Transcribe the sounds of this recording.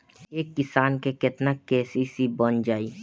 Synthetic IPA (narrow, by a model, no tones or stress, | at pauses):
eːkːɪsaːnkekɪt̪nakɛːsisibənd͡ʒaːiː